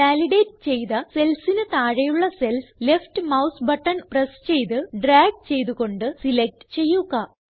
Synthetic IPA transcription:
ʋaːliɖejʈ̚t͡ɕe̞jðɐse̞lsinɨt̪aːɻɐjuɭːɐse̞lslefʈɨmɐwsbɐʈːɐnprɐst͡ɕe̞jt̪ɨɖraːɡ̚t͡ɕe̞jt̪uɣo̞ɳɖɨsilek̚ʈɨ̥t͡ɕe̞jːuɣɐ

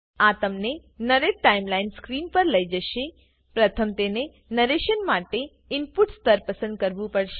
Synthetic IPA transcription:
at̪əmnenəɾeɖʈaimlainskɾinpəɾləid͡ʒəʃe | pɾət̪ʰəmt̪ene | nəɾeʃənmaʈe | ɪnpuʈst̪əɾpəsə̃nd̪̚kəɾʋũpəɽʃe

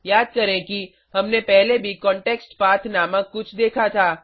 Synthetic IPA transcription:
jaːd̪̚kɐɾẽki | ɦɐmnepɛɦlebʱikɔ̃ːɳʈeːksʈpaːt̪ʰnaːmãkʊt͡ʃʰd̪eːkʰat̪ʰaː

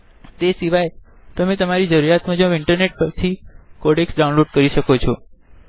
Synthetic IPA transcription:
t̪esiʋaj | t̪əmẽt̪əmaɾid͡ʒəɾuɾjat̪mãd͡ʒə̃ɪɳʈəɾneʈ̚pəɾt̪ʰikɔɽeksɖaũnloɖkəɾiʃəkot͡ʃʰɔ

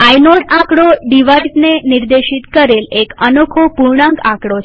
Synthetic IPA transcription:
ajnoʈãkɽoɖiʋajsneniɾd̪eʃit̪kəɾelekənokʰopuɾɳãŋkãkɽot͡ʃʰ

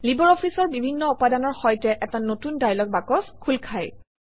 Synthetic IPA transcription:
libɔɹɔpʰisɔɹbibʱinːɔupadanɔɹxɔjtɛʔɛtanotundajlɔk̚bakɔskʰulkʰaj

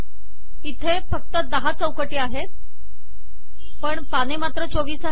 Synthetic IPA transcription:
it̪ʰefək̚t̪əd̪əɦat͡səwkəʈiːaɦet̪̚ | pəɳpanemat̪ɾət͡soʋiːsa

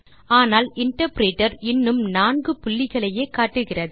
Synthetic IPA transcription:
aːnaːlɪɳʈɐɾpɪɾeːʈːɐɾɪnːɯmnaːnɡɯpʊlːɪɣɐɭɐjeːkaːʈːɯɣɪrɐðɯ

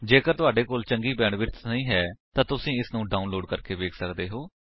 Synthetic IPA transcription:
d͡ʒeːkəɾt̪ʊaːɖeːkoːlt͡ʃəŋɡiːbɛ̃ːɳʋɪɾt̪nəĩːɦɛːt̪ãːt̪ʊsĩːɪsnũːɖaːunloːɖkəɾkeːʋeːkʰsəkd̪eːɦoː

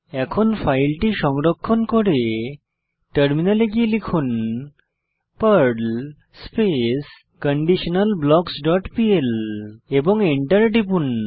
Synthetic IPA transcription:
ɛkʰonfʰajlʈiʃɔŋɾokʰːonkɔɾe | ʈəɾminaleɡielikʰun | pəɾɖl | spes | kəɳɖiʃonalblɔɡsɖɔʈpieleboŋiɳʈəɾɖipun

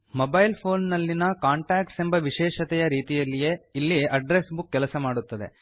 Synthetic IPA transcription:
mobɐjlpʰo̞ːnːɐlːinɐkaːɳʈaːk̚ʈse̞mbɐʋiʃɛːʃɐt̪ɛjɐɾiːt̪ijɐlːije̞ilːiʔɐɖɾe̞sbukːɛlɐsɐmaːɽut̪ːɐd̪e

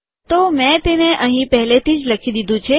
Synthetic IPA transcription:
t̪omɛ̃t̪eneʔəɦĩpɛɦlet̪ʰid͡ʒləkʰid̪id̪ʱũt͡ʃʰe

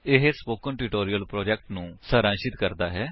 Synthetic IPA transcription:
ɪɦespoːkəɳʈɪʈoːɾijəlpɾoːd͡ʒɛk̚ʈnũːsəɾãːnʃɪt̪kəɾd̪aːɦɛː

